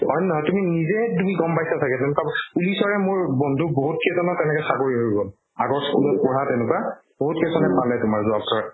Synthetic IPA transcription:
ɔjnɔɦɔjtuminizɛtumiɡɔmpajsatʰakɛtenʊkapulisɔɹɛmʊɹbɔndʱuboɦut̚kʰesʰɔnɔtɛnɛkɛsakoɹiɦoɹiɡɔl | aɡɔɹskulɔt̚pɔɹatenʊkab̥oɦutkesɔnɛpalɛtʊmaɹzʊabtɔɹa

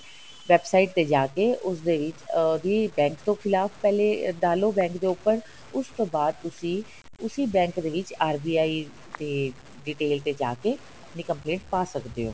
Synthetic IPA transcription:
ʋɛːbsaiʈ̚t̪eːd͡ʒaːkeːʔʊsd̪eːʋɪt͡ʃd̪iːbɛ̃ːŋkt̪õːkʰɪlaːfpɛːleːd̪aːloːbɛ̃ːŋkd̪eːʊpːəɾ | ʊst̪õːbaːd̪̚t̪ʊsĩː | ʊsĩːbɛ̃ːŋkd̪eːʋɪt͡ʃaːɾbiːaːiː | t̪eː | ɖiːʈeːlt̪eːd͡ʒa̰ːkeː | əpniːkəmplẽːɳʈpaːsəkd̪eːo̰ː

